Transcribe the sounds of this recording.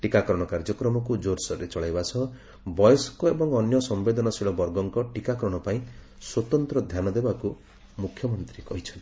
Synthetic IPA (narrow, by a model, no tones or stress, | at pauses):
ʈikakɾɔɽ̃ɔkaɾd͡ʒɔkɾɔmɔkud͡ʒoɾsɔɾet͡ʃɔɭajbasɔ | bɔjɔsɔ̥kɔebɔŋɔnjɔsɔmbed̪ɔnɔsiɭɔbɔɾɡɔŋkɔʈikakɔɾɔɽ̃ɔpaĩ | swɔt̪ɔnt̪ɾɔd̪ʱjanɔd̪ebaku | mukʰjɔmɔnt̪ɾikɔɦit͡ʃʰɔnt̪i̥